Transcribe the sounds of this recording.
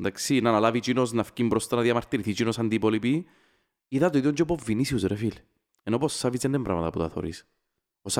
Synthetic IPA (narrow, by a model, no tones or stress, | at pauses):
nd̪aksinanalavit͡ʃinosnafcimbɾost̪ɐnaðiamaɾt̪iɾiθit͡ʃinosand̪ipolipi | iðat̪oiðoɲd͡ʒopovːinisiusɾefil | enoposːavizenːembɾa̰mɐt̪ɐpṵt̪aθo̰ɾḭs | pos